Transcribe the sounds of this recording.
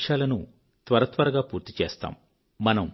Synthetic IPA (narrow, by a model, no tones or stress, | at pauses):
ʃaːlɐnu | t̪ʋɐɾɐt̪ʋɐɾɐɡaːpuːɾt̪it͡ʃḛːst̪a̰ːmː | ɐnɐm